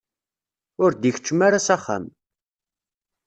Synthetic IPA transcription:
ʊɾd̪içət͡ʃːəmaɾasaχa̰m

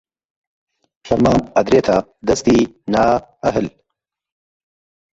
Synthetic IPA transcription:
ʃɐɾmaːmɐd̪ɾeːt̪ʰad̪ɐst̪iːnaːɐɦɨl

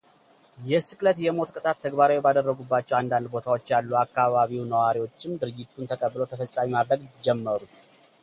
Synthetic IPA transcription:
jɛsɨkʼlət̪jɛmo̞t̪kʼɨt̪ʼat̪ʰːəɡbaɾawbad̪ərːəɡubːat͡ʃːɛwand̪and̪bo̞t̪ʰawot͡ʃːjalːuakːaβaβiwnəwaɾiwo̞t͡ʃːɪmd̪ɨɾɨɡɪt̪ʰːunt̪ʰəkʼəbːɨlot̪ʰəfəsʼamimad̪ɾəɡd͡ʒɛmːəɾut̪

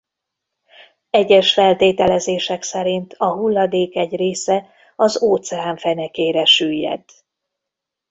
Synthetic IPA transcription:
ɛɟːɛʃfɛlt̪eːt̪ɛlɛzeːʃɛksɛɾint̪ʰɒɦulːɒd̪eːkɛɟreːsɛ | ɒzoːt̪sɛaːɱfɛnɛkeːɾɛʃyːjːɛ̰d̪

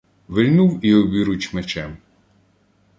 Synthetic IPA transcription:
ʋelʲnuwiɔbʲiɾʊt͡ʃmet͡ʃɛm

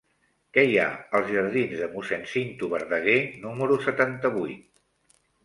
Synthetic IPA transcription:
kɛja̰əlˠzʒəɾð̞inzðəmusɛnsint̪uβəɾðəɣ̞enuməɾusət̪ant̪əβ̞ujt̪

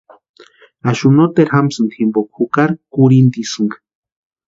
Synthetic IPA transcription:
aʃunot̪eɾxamsɨnt̪ximbokxukaɾkuɾint̪isɨŋɡ

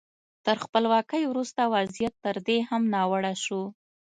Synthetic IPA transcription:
t̪əɾxpəlwɑkəjwɾust̪awazijat̪ːəɾd̪ehamnɑwaɽaʃu

